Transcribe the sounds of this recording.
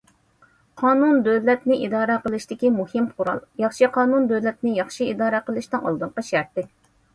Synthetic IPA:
qʰɑːnund̪øwlɛt̪nɪʔid̪ɑːɾɛqəlˠɨʃt̪ɪkʲimuhɪmqʰʊɾɑ̰lˠjɑχʃiqʰɑːnund̪øvlɛt̪nɪjɑχʃiid̪ɑːɾɛqəlˠɨʃt̪ɨŋɑ̰lˠd̪ɨɴqɑʃæɾt̪ɪ

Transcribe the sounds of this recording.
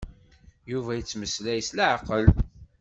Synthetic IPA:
juvæjət͡sːməslæjəslaʕqəl

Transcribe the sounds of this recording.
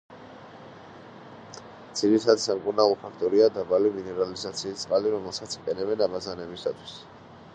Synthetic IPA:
d̪z̥iɾit̪ʰad̪samkʼuɾnavɔpʰakʰt̪ʼɔɾiad̪abaliminɛɾalizat̪sʰiːst̪sʼqʼaliɾɔmɛlˠsat̪sʰi̥qʼɛnɛbɛnabazanɛbisat̪ʰwi̥s

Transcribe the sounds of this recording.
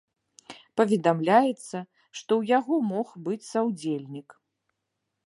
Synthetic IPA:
pɐvʲɛd̪amlʲajɛt̪sːɐ | ʂt̪ɔwjaɣɔmɔxbɨt͡sʲsawd͡zʲelʲnʲik

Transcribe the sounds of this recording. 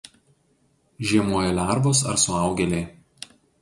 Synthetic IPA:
ʒʲiɛmoːjɛlʲæˑɾʋoːs̬ɐ̰ɾsʊɑˑʊɡʲɛlʲeː

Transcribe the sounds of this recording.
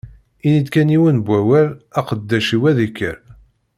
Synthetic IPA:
inid̪kæniwənbʷːæwæɾæqəd̪ːæʃiwæðikːə̰ɾ

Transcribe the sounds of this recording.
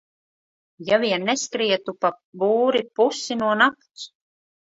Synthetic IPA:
javiɛnːeskɾiɛt̪upabuːɾipusinuɔnapt̪s

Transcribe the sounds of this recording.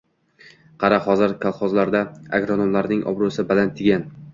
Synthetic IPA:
qʰɑɾahɒzɪɾkʲʰalˠχɒzlaɾd̪aa̰ɡɾonomlaɾnɪŋʔɒ̰bɾosɪbalant̪ʰːɪɡʲan

